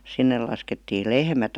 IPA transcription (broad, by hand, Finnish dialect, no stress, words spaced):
sinːel̆ lɑsketːiː lehmæt